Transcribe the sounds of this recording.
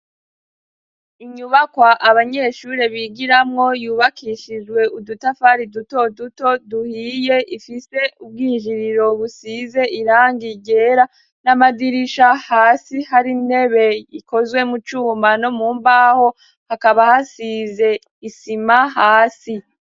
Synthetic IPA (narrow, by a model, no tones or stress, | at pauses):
iɲuβakwaʔaβaɲe̞ʃuɾe̞βiːɡiɾamŋo̞juːβakʰiːʃid͡ʒɡwe̞ʔudutafaɾiduto̞duto̞duhiːje̞ʔifise̞ub̚ɡiːʒiɾiɾo̞βusize̞ʔiɾaːŋɡiɡe̞ːɾa | namadiɾiʃahaːsihaɾinhe̞βe̞iko̞zwe̞mut͡ʃuːmano̞muːmbaːho̞ | hakaβahasize̞ | isimaɦaːsi